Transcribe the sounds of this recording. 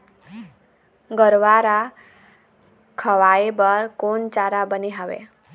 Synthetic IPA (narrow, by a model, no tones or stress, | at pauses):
ɡəɾʋaɾa | kʰʌʋaebʌɾkont͡ʃaɾabəniɦawḛ